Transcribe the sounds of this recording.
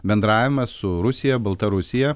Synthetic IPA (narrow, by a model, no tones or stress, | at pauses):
bʲɛnd̪ɾɑːʋʲɪmɐssʊɾʊsʲɪjɛbɐlˠt̪ɐɾʊsʲɪjɛ